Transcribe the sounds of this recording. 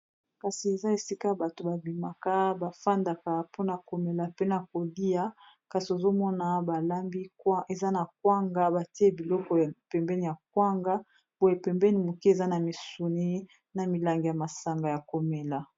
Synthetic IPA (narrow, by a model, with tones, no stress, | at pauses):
ka˨si˨e˨za˦e˨si˦ka˦ba˨to˨ba˨bi˨ma˨ka˦ba˨fa˦nda˨ka˦po˦na˨ko˨me˨la˨pe˦na˨ko˨li˦a˦ | ka˨so˨zo˦mɔ˦na˨ba˨la˦mbi˦ke˨za˦na˨k̚wa˦ŋɡa˦ba˨ti˦e˦bi˨lɔ˦kɔ˦a˨pɛ˨mbɛ˦ni˨ja˨k̚wa˦ŋɡa˦ | bo˦je˨pɛ˨mbɛ˦ni˨mu˨ki˦e˨za˦na˨mi˨su˨ni˦ | na˨mi˨la˨ŋɡi˨ja˨ma˨sa˨ŋɡa˨ja˨ko˨me˨la˨